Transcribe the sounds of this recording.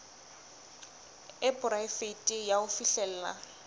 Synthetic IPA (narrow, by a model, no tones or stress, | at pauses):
ɪbʼʊɾaɪfetʼɪjaʊfiɬɛl̩ːla̰